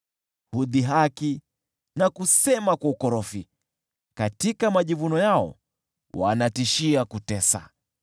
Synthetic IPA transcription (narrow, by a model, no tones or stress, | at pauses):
huðiɦaki | nakusɛmakwaukɔɾɔfi | katikamaʄivunɔjaɔ̰ | wa̰natiʃiakutɛsa̰